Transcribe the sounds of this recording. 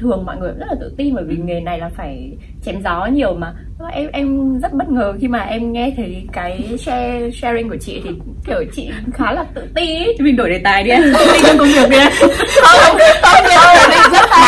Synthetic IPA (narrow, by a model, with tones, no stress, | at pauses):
t̪ʰɨ˨˩əŋmɔ̰˧˨jŋɨ˨˩jzə˦˥laː˨˩t̪ɨ̰˧˨t̪i˧nvəː˧˩jvi˨˩ŋe˨˩na˨˩jlaː˨˩faː˧˩j | t͡ɕɛ˨˦mzɔ˨˦ɲi˨˩əwmaː˨˩ | nɔ˨˦ʔɛ˧mʔɛ˧mzə˦˥t̚ɓə˦˥t̚ŋəː˨˩xi˧maː˨˩ʔɛ˧mŋɛ˧t̪ʰə˨˦jkaː˨˦jsɛ˧sɛ˧zi˧ŋku˧˩ət͡ɕḭ˧˨t̪ʰi˨˩ | kəː˧˩t͡ɕḭ˧˨xaː˨˦laː˨˩t̪ɨ̰˧˨t̪i˧n˦˨˧mi˧˩nɗo˧˩jɗe˨˩t̪aː˨˩jɗi˧ʔa̰˧˦i˧˩ə˧˦ŋkə˧wŋ͡mvi˨˩ək̚ɗi˧a˧ɔ˧˦ə˧˦ɔ˧˦ɛ˧˩˧zə˦˥t̚ː